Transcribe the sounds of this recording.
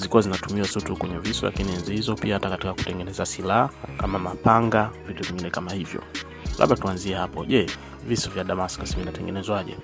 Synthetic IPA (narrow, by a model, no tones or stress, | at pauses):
zikuwazinatumiwasutukwɛɲɛvisɔlʔa̰kiniɛnzihizɔpiahatakatikaku̥tɛŋɡɛnɛzasilaakamamapaŋɡavituviŋɡinɛkamahivjɔ̰ | lʔa̰ɓatuanziɛhapɔʄɛ | visɔvjaɗamaskasivinatɛŋɡɛnɛzwaʄɛ̰